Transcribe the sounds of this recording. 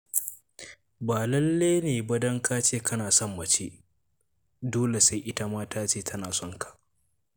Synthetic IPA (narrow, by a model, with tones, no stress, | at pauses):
baː˨lɐ˦lːeː˦neː˨bɐ˦dɐ˦ŋkʰaː˦t͡ʃeː˦˨kɐ˦naː˨sɔ˦mːɐ˨t͡ʃeː˦ | doː˦le˨sa˦jʔɪ˦ta˦maː˦tʰaː˦t͡ʃeː˦˨tʰɐ˦naː˨sɔ˦˨ŋkḁ˨ʔ